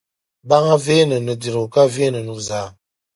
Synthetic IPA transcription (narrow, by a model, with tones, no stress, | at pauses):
ba˦ŋa˦ve˦nə˨nə˨di˨ɾo˨ka˦ve˦nə˨nu˨za˨˦